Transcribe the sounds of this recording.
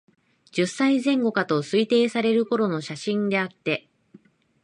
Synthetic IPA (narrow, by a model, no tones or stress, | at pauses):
d͡ʑɨsːaizẽ̞ŋɡo̞kat̪o̞sɨit̪e̞ːsaɾe̞ɾɯ̟ko̞ɾo̞no̞ɕaɕĩnd̪e̞at̪ːe̞